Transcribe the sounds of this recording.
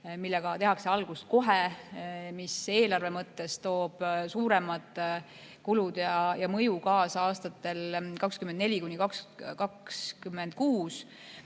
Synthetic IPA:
milːeɡ̥ɑt̪e̞ɦɑkse̞ɑlɡ̥ust̪̚ko̞ɦe | mise̞ːlɑrve̞mɤt̪ːe̞st̪o̞ːb̥suːɾe̞mɑd̪̥ | kulud̪jɑjɑmɤjukɑːsɑɑːst̪ɑt̪ːˑe̞lkɑkskymːend̪ne̞lʲikunːikɑkskɑkskymːend̪̥̚kuːs

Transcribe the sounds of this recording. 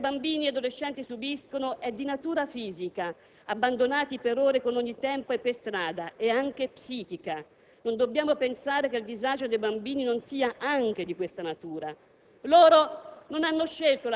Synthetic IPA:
bambiːniad̪oleʃːɛnt̪isubiskonoʔɛd̪ːinat̪uːɾafiːzika | abːand̪onaːt̪ipeɾoːɾekonoɲːit̪ɛmpoepːest̪ɾaːd̪aeaŋk̟epsiːk̟ika | nond̪obːjaːmopensaːɾekeld̪izad͡ʒod̪ejbambiːninonsiːaʔaŋk̟ed̪ikwest̪anat̪uːɾa | loːɾononanːoʃːelt̪ol

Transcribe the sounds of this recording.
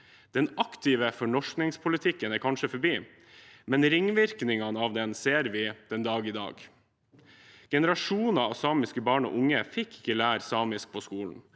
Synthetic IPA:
d̪̥ɛnɑkt̪ʰɪʋəfɔɳɔʂknɪŋspʰʊlɪt̪ʰɪkːənæːɾkʰɑnʂəfɔɾbiː | mɛnɾɪŋʋɪɾknɪŋɑnəɑʋd̪ɛnseːɾʋɪd̪̥ɛnd̪ɑːɡɪd̪ɑ̰ːɡ | ɡ̥ɛnəɾɑʂuːnɑɑʋsɑːmɪskəbɑːɳo̰ːʔʊŋːəfɪkːɪ̥kːəlæːɾsɑːmɪsk̚pʰoskuːln̩

